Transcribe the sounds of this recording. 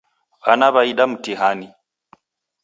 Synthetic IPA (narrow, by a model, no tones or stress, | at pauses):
βanaβaiɗam̩tiɦani